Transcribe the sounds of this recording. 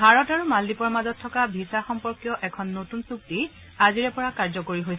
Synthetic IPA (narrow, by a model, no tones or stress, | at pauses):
bʱaɹɔtaɹumaldipɔɹmazɔtʰːɔkabʱisaxɔmpɔɹkjɔʔɛkʰɔnːotunsuk̚ti | aziɹɛpɔɹakaɹzɔkoɹiɦojs